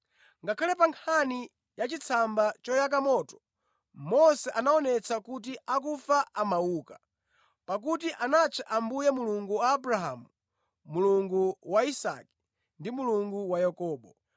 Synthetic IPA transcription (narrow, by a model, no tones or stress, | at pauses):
ŋɡakʰalɛpaŋkʰani | jat͡ʃit͡sʰambat͡ʃɔjak̬amɔtɔ̥ | mɔsɛʔanaɔnɛt͡sakut̬iʔakufaʔamawuːka | pak̬utiʔanat͡ʃʰɛʔambujɛmuluŋɡuwaːbɾaɦamu | muluŋɡuwaisa̰ki̥ | ndimuluŋɡuwajakɔːɓɔ